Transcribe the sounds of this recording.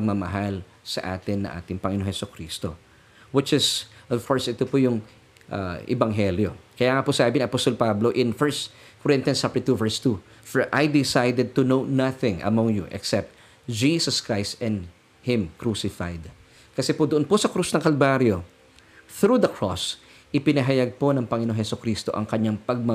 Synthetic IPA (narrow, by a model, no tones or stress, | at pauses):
pɐɡ̚mɐmɐɦal | sɐ̰ʔa̰ːt̪ɪnːɐ̰ŋʔa̰ːt̪ɪŋpɐŋɪnoŋhɛsʊkɾiːst̪o̰ | wɪt͡ʃɪsʔovkʰoɹsɪt̪opojʊŋ | ʔa̰ʔɪ̰bɐŋɦɛljokɐjaːŋɐposɐaːbɪniŋɐpost̪olpablo̞ʔɪ̃nfɛɹst̪koɹɪ̃nt̪ɪɐnsapt̪uvɛɹst̪u | fɛʔajd̪ɪsajd̪ɛd̪̚t̪ʊnownaθɪ̃ŋʔɐ̰mɔ̃ŋjuʔɛ̰ksɛp̚t̪̚ | d͡ʒisɐskɹajst̪ɛ̃nd̪ | hɪ̃mkɹusɪfa̰jd̪ | kɐsɛpod̪ʊʔonposɐkɾusnɐŋkɐlbaɾjo | θɾud̪ɐkʰɹo̰s | ʔɪpɪnɐɦɐjaɡ̚po̞nɐŋpɐŋɪnoŋhɛsʊkɾist̪o̞̰ʔɐ̰ŋkɐɲaŋpɐɡ̚mɐ